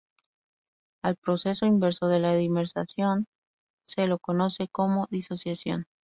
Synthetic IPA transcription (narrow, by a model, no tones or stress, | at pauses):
alpɾo̞se̞so̞imbe̞ɾso̞ðe̞laðimeɾsa̰sjo̞n | se̞lo̞ko̞no̞se̞ko̞mo̞ðiso̞sjasjo̞̰n